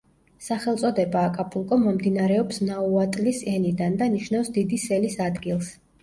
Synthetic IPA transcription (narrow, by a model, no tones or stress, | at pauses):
saχɛlˠt̪sʼɔd̪ɛbaːkʼapʼulˠkʼɔmɔmd̪inaɾɛɔpsnauat̪ʼlisɛnid̪and̪aniʃnafsd̪id̪isɛlisad̪ɡilˠs